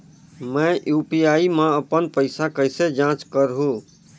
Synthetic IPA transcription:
mə̃ʔjupiaimaəpənpəɪsakəjsed͡ʒãt͡ʃkəɾɦũ

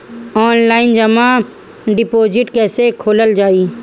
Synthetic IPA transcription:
ɔːnlaːɪnd͡ʒɐma | ɖɪpoːd͡ʒɪʈkɛːsekʰoːləld͡ʒaːi

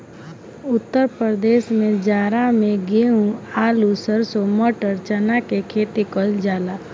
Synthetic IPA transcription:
ʊt̪ːəɾpɾəd̪eːʃmẽd͡ʒaːɾamẽɡeɦũaːlusəɾsomɔʈəɾt͡ʃənakekʰeːt̪ikɔld͡ʒaːlaː

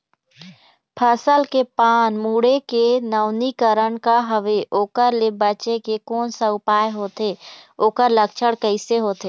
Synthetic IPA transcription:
pʰəsəlkepaːnmuːɽekenəʊnikəɾəɳkaɦəʋeʔoːkəɾlebət͡ʃekekɔːnsaʊpaːeɦoːt̪eːoːkəɾləkt͡ʃʰəɽkəɪseɦoːt̪e

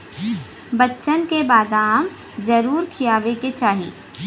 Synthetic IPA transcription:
bətːʃənkebaːd̪aːm | d͡ʒəɾuːɾkʰijaːʋeket͡ʃaːɦḭː

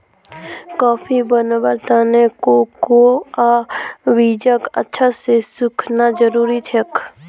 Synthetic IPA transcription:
kɔːpʰibənbəɾt̪aːnekokoaʋiːd͡ʒəkə̰tːʃʰasesʊkʰnad͡ʒəɾuːɾit͡ʃʰek

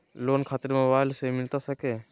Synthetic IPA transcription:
loːnkʰaːt̪əɾmobaːjlsemɪlt̪asəkeː

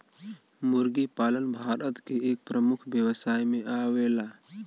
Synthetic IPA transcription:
mʊɾɡipaːlənbʱaːɾət̪keeːk̚pɾəmʊkʰʋjəwsaːjmẽʔaːʋeːlaː

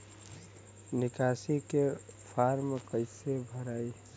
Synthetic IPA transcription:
nɪkasikepʰaɾmkəɪsebʱəɾaːi

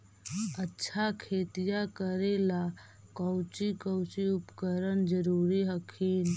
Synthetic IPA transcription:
ətːʃʰakʰeːt̪ijakəɾela | kəwt͡ʃikəwt͡ʃiupkəɾənd͡ʒəɾuɾiɦəkʰiːn

